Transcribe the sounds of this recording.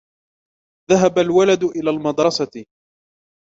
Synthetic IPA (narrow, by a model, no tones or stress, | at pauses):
ðaɦabalwalad̪ʊʔɪlaːlmɑd̪ɾˤɑsa